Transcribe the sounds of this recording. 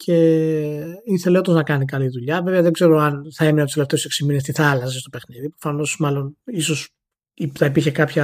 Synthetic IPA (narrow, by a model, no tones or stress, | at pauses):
cʰe̞ | iθe̞leot̪oznɐkɐnikɐliðuʎɐve̞veɐðeɡze̞ɾo̞ɐnθɐe̞minɐt̪ust̪eleft̪e̞useksiminest̪iθɐɐlɐsest̪o̞pe̞xniðipɾofɐno̞smɐlo̞niso̞s | iθɐipiɾçe̞kɐpçɐ